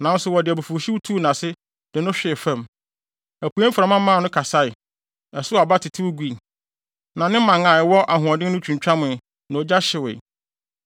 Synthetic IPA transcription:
nã˨˦n̩˦sʊ˨wɔ˨dɪ˨æ˨bu˨fu˨ɕi˦wu˦tʰu˦˨nã˨sɪ˦ | d̥ɪ˨nʊ̃˦ɕᶣɪ˨fã˦˨m | æ˨pu˨˦ɛ˦m̩˦fɾa˨mã˦ã˦˨nʊ̃˦kʰa˨sa˦ɪ˨ | ɛ˨sʊ˦a˨ba˦tʰɪ˨tʰɪ˦wʊ˦ɡʷi˦˨ | nã˨nɪ̃˦mã˨ŋã˨ɛ˨wɔ˦ʔa˨ɦʊ̃˨ɔ̃˨dɪ˦nʊ̃˦t͡ɕʰᶣũ˨ɲ˨t͡ɕᶣa˦mʊ̃˨ | nã˨o˨d͡ʑa˦ɕɪ˨wḛ˨

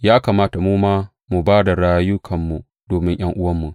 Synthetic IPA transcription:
jaː˦ka˨maː˦ta˨muː˦maː˦ | mu˨baː˦da˨ɽaː˦jʊ˦kʰɐ˨mːu˨ | doː˨mɪ˦ŋj̰ɐ˦ŋʔʊ˦wɐ˦mːu˨

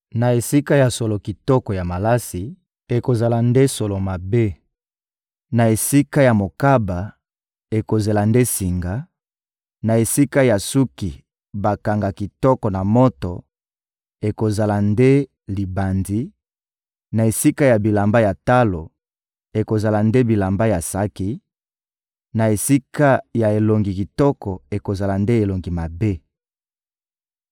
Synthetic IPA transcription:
na˨e˨si˦ka˦ja˨so˨lo˨ki˨tɔ˦kɔ˨ja˨ma˨la˦si˨ | e˨ko˨za˨la˨nde˦so˨lo˨ma˨be˦ | na˨e˨si˦ka˦ja˨mo˨ka˦ba˨ | e˨ko˨ze˨la˨nde˦si˨ŋɡa˨˦ | na˨e˨si˦ka˦ja˨su˦ki˨ | ba˨ka˨ŋɡa˨ki˨tɔ˦kɔ˨na˨mo˦to˨ | e˨ko˨za˨la˨nde˦ | li˨ba˨ndi˦ | na˨e˨si˦ka˦ja˨bi˨la˨mba˦ja˨ta˦lo˨ | e˨ko˨za˨la˨nde˦bi˨la˨mba˦ja˨sa˦ki˦ | na˨e˨si˦ka˦ja˨e˨lo˨ŋɡi˨ki˨tɔ˦kɔ˨e˨ko˨za˨la˨nde˦e˨lo˨ŋɡi˨ma˨be˦

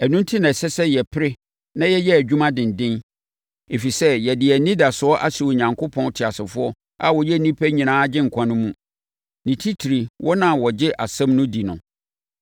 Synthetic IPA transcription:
æ˨nũ˦n˦tʰi˦nã˨sɛ˦sɛ˦jɛ˨pʰɪ˦ɾɪ˦ | nã˦jɛ˦jɛ˦æ˨d͡ʑᶣu˦mã˦dɪ̃˨n˨dɪ̃˦n | e˨fi˨sɛ˦jɛ˨dɪ˨æ˨nĩ˦da˨sʊ˨˦ɔ˦ʔa̰˦si˨o˨ɲã˨ŋkʰo˦pʰɔ̃˦n˦tʰɪ˨a˨sɪ˨fʊ˦ɔ˦ | a˨wɔ˨jɛ˦˨nĩ˦pʰæ˦ɲĩ˨nãː˦d͡ʑɪ̃˦ŋ̩˨kʷʰã˦nʊ̃˦mũ˦ | nĩ˨tʰi˦tʰi˨ɾi˨wʔɔ˦nã˨wɔ˨d͡ʑɪ˦ʔa˨sɛ̃˦mnʊ̃˦di˨nʊ̰̃˨

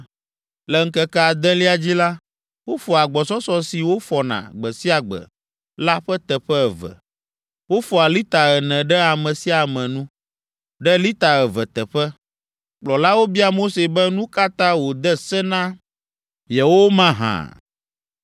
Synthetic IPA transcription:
lɛ˦ŋ̩˦kɛ˦kɛ˦a˨d̪ɛ̃˦li˦a˦d͡ʑi˦la˦ | wo˦fɔ˨a˨ɡ͡bɔ˨sɔ˦sɔ˦si˨wo˦fɔ˨nã̰˨ɡ͡bɛ˨si˦a˨ɡ͡bɛ̰˨ | la˦ɸɛ˦t̪ɛ˨ɸɛ˦ɛ˨vɛ̰˨ | wo˦fɔ˨a˨li˦t̪a˨ɛ˨nɛ̃˨ɖɛ˦a˨mɛ̃˨si˦a˨mɛ̃˨nũ˦ | ɖɛ˦li˦t̪a˨ɛ˨vɛ˨t̪ɛ˨ɸɛ˦ | k͡plɔ˨la˦wo˦bi˦a˦mo˦se˨bɛ˦nũ˦ka˦t̪ã˦wo˨d̪ɛ˦sɛ˦nã˦ | jɛ˨wo˦mã˦ɦã̰˨

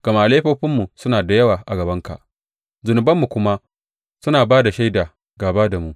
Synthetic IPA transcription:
ɡ̥ɐ˨ma˦ʔa˨leː˦ɸoː˦ɸɪ˦mːu˨sʊ˦naː˨da˨jɐ˦waː˨ʔa˨ɡɐ˨bɐ˦ŋka̰˨ʔ | zʊ˨nʊ˨bɐ˦mːu˨kʷʊ˦ma˦ | sʊ˦naː˨baː˦da˨ʃa˦jdaː˨ | ɡaː˨baː˦da˨mu˨ʔ

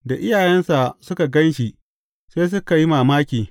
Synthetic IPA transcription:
da˨ʔɪ˦jaː˨jɛ˦nsa˨sʊ˦ka˨ɡɐ˦nʃi˨ | seː˦s̬ʊ˦ka˨ji˦maː˨maː˦kʲiː˨

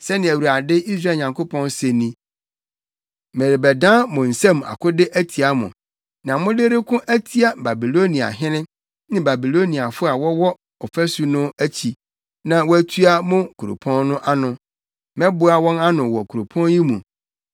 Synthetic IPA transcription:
sɛ˦nɪ̃˨æ˨wu˨a˨dɪ˦ʔi˦s̬ɾa˦˨ɲã˨ŋkʊ˦pɔ̃˦nse˨nĩ˦ | me˨ɾɪ˨bɛ˨dãː˦mʊ̃˨n̩˨sɛ̃˦˨m˨a̰˨kʊ˦dɪ˦ʔæ˦tʰi˨a˦mʊ̰̃˨ | nã˨mʊ̃˦de˦ɾɪ˦kʰʊ̃˦ʔæ˦tʰi˦a˨ba˨bi˨lo˦nĩ˨a̰˨ɦɪ̃˦nɪ̃˦ | nɪ̃˦ba˨bi˨lo˦nĩ˨a˨fʊ˦a˨wɔ˦wɔ˦ | ɔ˨fæ˦su˦nʊ̃˦æ˦t͡ɕʰi˨ | nã˨wɔ˦æ˦tʰu˦a˦mʊ̃˦kʰu˨ɾo̰˨pʰɔ̃˦nnʊ̃˦ʔa˦nʊ̃˨ | mɛ̃˦bʊ˦a˦wɔ̃˦na˦nʊ̃˨wɔ˨kʰu˨ɾo˨pʰɔ̃˦nji˦mũ˨

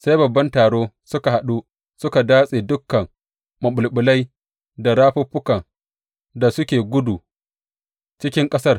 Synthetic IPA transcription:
sa˦jbɐ˨bːɐ˦ntaː˨ɽoː˦ | sʊ˦ka˨ha˨ɗu˦ | sʊ˦ka˨daː˦sʼe˨dʊ˦kːɐ˨ŋ | mɐ˨ɓʊ˨lɓʊ˨la˦j | da˨ɽaː˦ɸʊ˦ɸʊ˦kɐ˨ŋ | da˨sʊ˦kʲeː˨ɡʷʊ˦du˨ | t͡ʃɪ˦kʲɪ˦ŋkʼɐ˦sɐ˦r

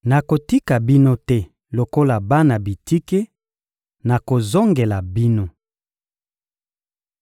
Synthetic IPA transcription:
na˨ko˨ti˦ka˨bi˦no˦tɛ˦ | lo˨ko˦la˨ba˦na˨bi˨ti˦ke˦ | na˨ko˨zo˦ŋɡe˨la˨bi˦no˦

